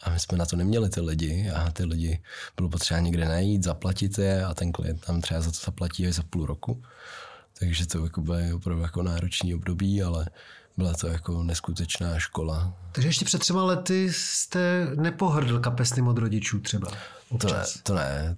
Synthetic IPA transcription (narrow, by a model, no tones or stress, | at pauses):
ʔamɪsmɛnat̪o̞nɛmɲɛlɪt̪ɪlɪɟɪat̪ɪlɪɟɪb̥ɪlopot̪r̥ɛbaɲɛɡdɛnajiːt̪zaplacɪt̪jɛat̪ɛnklɪ̰jɛnt̪namt̪r̥ɛbazat̪ozaplaciːaʒzapuluɾʔoku | t̪ʰaɡʒɛt̪ojakobɪlɪopɾavdujako̞naːɾot͡ʃniːobdo̞biːalɛ | bɪlat̪o̞jako̞nɛskut̪ɛt͡ʃnaːʃko̞lat̪aɡʒɛjɛʃcɛpr̝̥ɛt̪̚ːrɛmalɛt̪ɪst̪ɛnɛpoɦr̩dl̩kapɛsnɪmod̪ɾoɟɪt͡ʃuːt̪r̥ɛba̰ | ot̪oɛ̰t̪onɛ̰